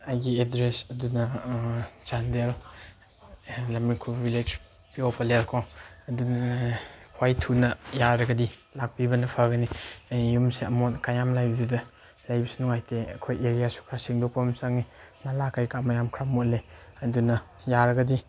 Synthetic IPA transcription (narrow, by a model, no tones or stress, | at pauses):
ajɡiedɾesɐdunɐ | d͡ʒandel | lamikʰubbiled͡ʒ | piopʰalelkʰoɐdunɐkʰwajtʰunɐjaɾɐɡɐdilak̚pibɐnɐpʰaɡɐnijumseɐmɔtkajamlajbɐdudɐ | lajbɐsunuŋajteɐkʰojeɾijasu̥kʰɾasiŋdɔpɐmsaŋninalakajkamɐjamkʰɾamuleɐdunɐ | jaɾɐɡɐdi